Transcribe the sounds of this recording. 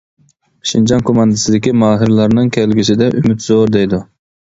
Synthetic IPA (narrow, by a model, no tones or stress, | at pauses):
ʃind͡ʒɑnkʰomɑnd̪ɨsɨd̪ɪkʲimɑːɦɨɾlˠɑɾnɨŋkʲʰɛlɡʲisɪd̪ɛʔymyt̪zoɾd̪ɛjd̪u